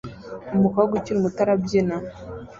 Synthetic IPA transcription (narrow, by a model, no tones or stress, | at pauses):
omukaɡuciɾimutaɾabjena